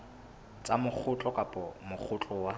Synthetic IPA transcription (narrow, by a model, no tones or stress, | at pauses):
t͡sʼamʊk͡xʰʊt͡ɬʼɔkʼapʼɔmʊk͡xʰʊt͡ɬʼɔwa